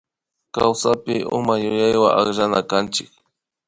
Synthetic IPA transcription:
kawsapɪʔʊ̰majʊjajwaʔakʒanakant͡ʃɪk̚

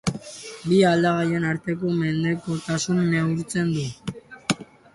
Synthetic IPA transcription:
biald̪aɣaje̞naɾt̪e̞ko̞me̞nd̪e̞ko̞t̪asunːeuɾt͡se̞nd̪u

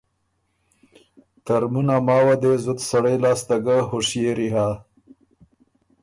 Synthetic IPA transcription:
t̪aɾmunamɑːwad̪ezʊt̪saɽajlɑːst̪aɡaɦʊʂjeɾiɦa

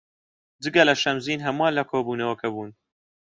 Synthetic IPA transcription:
dɨɡɐlɐʃɐmziːnɦɐmɑːnlɐkʰoːbuːnɐwɐkʰɐbuːn

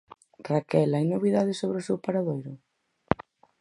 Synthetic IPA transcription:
rakɛlajnoβ̞iðaðɪsoβɾeosɛwpaɾaðojɾʊ

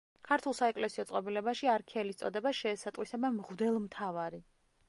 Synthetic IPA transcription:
kʰaɾt̪ʰulˠsaɛkʼlɛsiɔt̪sʼqʼɔbilɛbaʃiaɾkʰɛlist̪sʼɔd̪ɛbaʃɛːsat̪ʼwisabamʁd̪ɛlˠmt̪ʰavaɾi

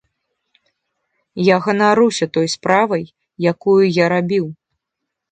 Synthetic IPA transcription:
jaɣɐnaɾusʲɐt̪ɔjspɾavɐjː | akujujaɾabʲiw

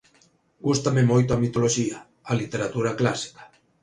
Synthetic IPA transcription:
ɡust̪amemojt̪oamit̪oloʃia | alit̪eɾat̪uɾaklasi̥kḁ

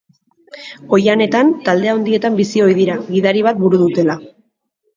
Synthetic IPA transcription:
o̞jane̞t̪ant̪ald̪e̞ao̞nd̪ie̞t̪ambisio̞jðiɾaɣiðaɾiβ̞at̪̚buɾuðut̪e̞la

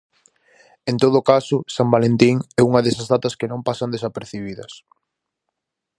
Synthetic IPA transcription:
ẽnt̪oð̞ʊkasʊsambalent̪iŋɛuŋɐðesɐzðat̪ɐskenõmpasɐnd̪esapeɾθiβiðɐs

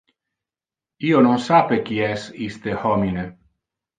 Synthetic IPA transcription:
iononsapek̟iɛsist̪ehɔmine

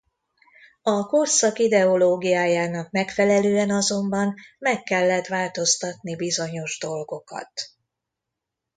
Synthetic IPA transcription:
ɒko̞rsɒkid̪ɛo̞loːɡijaːjaːnɒkmɛkfɛlɛløːɛnɒzo̞mbɒnmɛkːɛlːɛt̪ʋaːlt̪o̞st̪ɒt̪nibizo̞ɲo̞ʒd̪o̞lɡo̞kɒ̰t̪

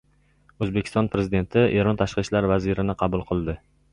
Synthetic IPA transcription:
ɵzbekʲʰɪ̥st̪ɒnpɾe̞zid̪e̞nt̪ʰɪe̞ɾɒnt̪ʰaʃqɨʃlaɾvazɪɾɪnɪqʰɑbʊlˠqʰɨlˠd̪ɪ

